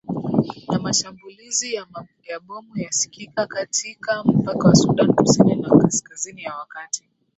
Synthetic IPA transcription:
namaʃambulizija | jaɓɔmujasi̥kikakatʰikam̩pakawasuɗanikusininawakaskazinijawakati

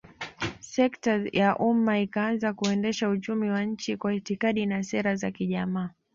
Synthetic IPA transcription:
sɛktajaʔumaikaanzakuɛndɛʃaut͡ʃumiwaɲ̩t͡ʃikwahitikaɗinasɛɾazakiʄamaː

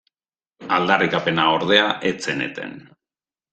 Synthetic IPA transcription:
ald̪arikape̞naoɾð̞e̞aʔet͡senḛt̪ḛn

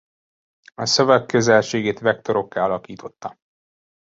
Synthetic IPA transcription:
ɒsø̞vɛkːø̞zɛlʃeːɡeːt̪ʋɛk̚t̪o̞ɾo̞kːɛɒlɒkiːt̪ʰo̞t̪ːɒ

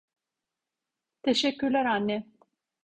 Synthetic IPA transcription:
t̪ʰeʃɛcːyɾlʲæɾanːɛ

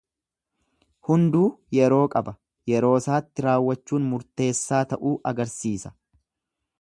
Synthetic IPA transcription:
hʊnd̪uːjɛɾo̞ːkʼɐbɐ | jɛɾo̞ːsaːt̪ːɪɾaːwːɐt͡ʃːuːnmʊɾt̪e̞ːsːaːt̪ɐʔuːʔɐɡɐɾsiːsɐ̥

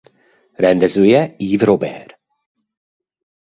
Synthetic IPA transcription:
ɾɛnd̪ɛzujɛiːvɾobɛ̰ːɾ

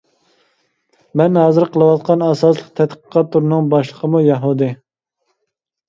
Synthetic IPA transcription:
mɛnɦɑːzɨɾqʰəlˠɨwɑt̪̚qʰɑnɑsɑslˠəq̚t̪ʰɛt̪qə̥qɑt̪ːuɾnɨŋbɑʃlˠəqʰəmujɑɦud̪ɨ

